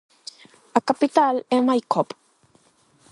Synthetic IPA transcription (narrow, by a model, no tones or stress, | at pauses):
akapit̪alemajkʰop